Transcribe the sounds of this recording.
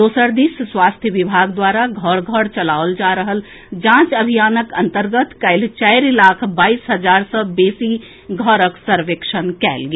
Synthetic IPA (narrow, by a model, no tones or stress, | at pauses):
d̪oːsəɾd̪isswaːst̪ʰjəʋɪbʱaːɡd̪waːɾaɡʱɔɽɡʱɔɽt͡ʃɐlaːold͡ʒaːɾəɦəl | d͡ʒãːt͡ʃɐbʱijaːnəkɐ̃nt̪əɾɡət̪kɐɪlt͡ʃɛɪɾlaːkʰbaːiːsɦɐd͡ʒaːɾsəbeːsi | ɡʱɔɾəksəɾʋekʃənkɛ̰ːlɡi